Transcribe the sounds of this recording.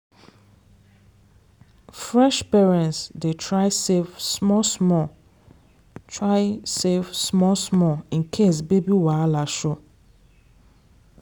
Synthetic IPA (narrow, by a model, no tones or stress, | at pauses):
fɹɛʃpɛɹɛ̃ntsdetʰɹaɪsevsmɔsmɔ | tʰɹaɪsevsmɔsmɔĩnkʰesbebiwalaʃo